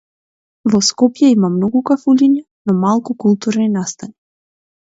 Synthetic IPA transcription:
vɔskɔpjɛimamnɔɡukafulʲiɲɛ | nɔmalˠkukulˠt̪uɾninast̪ani

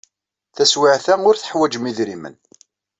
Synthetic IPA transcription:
θæswɪʕθæʊɾθə̥ħwæd͡ʒmiðɾimə̰n

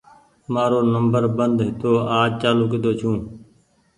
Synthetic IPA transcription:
maːɾoːnəmbəɾbənd̪ɦɪt̪oːaːd͡ʒt͡ʃaːluːkɪd̪oːt͡ʃʰũː

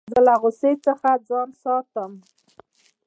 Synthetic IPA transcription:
zəlaɣʊset͡səxad͡zɑnsɑt̪əm

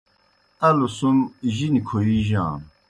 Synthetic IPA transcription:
tɐlusumʑinikʰoiʑã̰ː

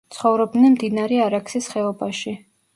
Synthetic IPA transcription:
t̪sʰχɔvɾɔb̚d̪nɛnmd̪inaɾɛaɾaksisχɛɔbaʃi

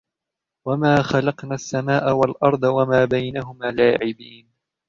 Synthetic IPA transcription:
wamaːxalɑqnaːsːamaːʔawalʔɑɾˤd̪ˤɑwamaːbajnaɦʊmaːlaːʕɪbiːn

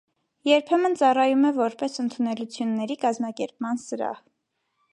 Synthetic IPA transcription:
jɛɾpʰɛmənt͡sɑrɑjumɛvɔɾpɛsənt̪ʰunɛlut͡sʰjunːɛɾikɑzmɑkɛɾp̚mɑnsəɾɑ̰h

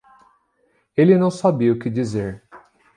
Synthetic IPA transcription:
elɪnɐ̃w̃sabiʊkɪd͡ʒizeɾ

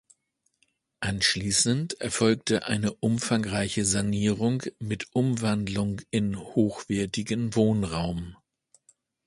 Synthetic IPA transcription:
ʔanʃliːsəntʔɛɐfɔlk̚təʔa̰ɪnəʔʊmfaŋʁaɪçəzaniːʁʊŋmɪtʔʊmvandlʊŋɪnhoːxv̥ɛːɐtɪɡənvoːnʁaʊm

